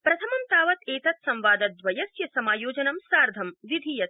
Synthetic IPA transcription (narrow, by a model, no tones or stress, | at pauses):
pɾɐt̪ʰɐmɐmt̪aːʋɐt̪ʰeːt̪ɐt̪sɐ̃mʋaːd̪ɐt̪̚d̪ʋɐjɐsjɐsɐmaːjoːd͡ʒɐnɐmsaːɾd̪ʱɐmʋid̪ʱijɐt̪